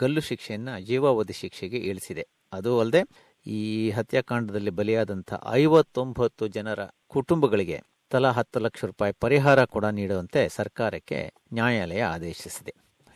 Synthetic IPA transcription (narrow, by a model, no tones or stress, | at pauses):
ɡ̥ɐlːuʃikʂɛjɐnːɐd͡ʒiːʋaːʋɐd̪iʃikʂɛɡe̞ʔeːɭisid̪e̞ | ɐd̪uɐld̪e̞ | iːɦɐt̪jaːkaːɳɖɐd̪ɐlːibɐlɛjaːd̪ɐnt̪ʰɐ̰ʔɐ̰jʋɐt̪ːo̞mbʱɐt̪ːud͡ʒɐnɐɾɐ̰kuʈumbɐɡɐɭiɡe̞̰ | t̪ɐlɐɦɐt̪ːulɐkʂɐɾuːpaːjipɐɾiɦaːɾɐkuːɽɐniːɽuɐnt̪e̞sɐɾkaːɾɐkːe̞̰ | njaːjaːlɛjɐaːd̪eːʃisid̪e̞